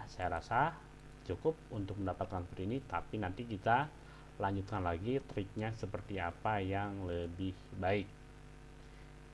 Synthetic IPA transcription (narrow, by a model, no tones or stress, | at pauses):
sajaɾasa | t͡ʃukʊp̚unt̪ʊk̚məndapat̪̚kanpəɾinit̪apinant̪ikit̪a | laɲd͡ʒut̪̚kanlaɡit̪ɾɪk̚ɲasəpərt̪iapajaŋləbɪhbaɪk̚